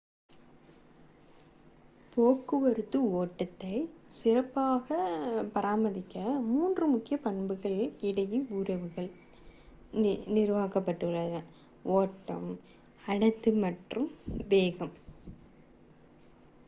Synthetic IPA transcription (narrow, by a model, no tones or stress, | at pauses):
poːkːɯʋɐɾɯt̪ːɯoːʈːɐt̪ːɐɪsɪrɐpːaːɣɐpɐɾaːmɐðɪkːɐmuːndrɯmʊkːɪjɐpɐɳbɯɣɐɭɪɽɐjiʊɾɐʋɯɣɐɭ | nɪɾʋaːɣɐpːɐʈːɯɯɭːɐðɐ | ʔoːʈːɐ̰m | ɐɳɐt̪ːɯmɐʈrɯmʋeːɣɐm